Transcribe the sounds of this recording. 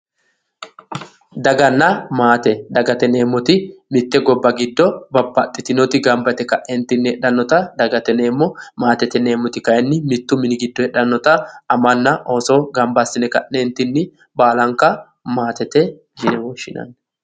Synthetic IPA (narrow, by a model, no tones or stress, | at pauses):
d̪ɐɡɐnːɐmaːt̪ɛd̪ɐɡɐt̪ɛne̞ːmːɔt̪ɪmɪt̪ːɛɡɔbːɐɡɪd̪ːɔbɐbːɐt̪ʼːɪt̪ɪnɔt̪ɪɡɐmbɐt̪ɛkɐʔɛnt̪ːɪnːɪhɛɗɐnːɔt̪ɐd̪ɐɡɐt̪ɛne̞ːmːɔmaːt̪ɛt̪ɛne̞ːmːɔt̪ɪkɐjɛnːɪmɪt̪ːʊmɪnɪɡɪd̪ːɔhɛᶑɐnːɔt̪ɐɐmɐnːɐʔoːsoːɡɐmbɐsːɪnɛkɐ̰ʔːent̪ɪnːɪ | baːlɐŋkːɐ | maːt̪ɛt̪ɛ | hɪnɛwɔʃːɪnɐ̰nː